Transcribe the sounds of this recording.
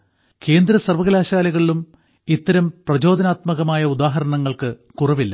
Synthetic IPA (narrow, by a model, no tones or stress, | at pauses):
ke̞ːnd̪ɾɐsɐrʋɐɣɐlaːɕaːlɐɣɐɭilum | it̪ːɐɾɐmprɐd͡ʑo̞ːd̪ɐnaːt̪mɐɣɐmaːjɐud̪aːɦɐɾɐɳɐŋːɐɭkɨkurɐʋilːɐ